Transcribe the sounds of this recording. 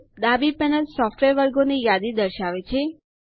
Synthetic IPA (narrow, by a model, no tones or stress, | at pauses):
d̪abipɛnəlsɔfʈʋeɾʋəɾɡonijad̪id̪əɾʃaʋet͡ʃʰe